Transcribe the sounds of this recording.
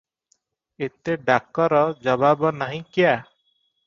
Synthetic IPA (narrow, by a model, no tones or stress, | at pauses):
et̪eɖakɔɾɔd͡ʒɔbabɔnaɦĩkija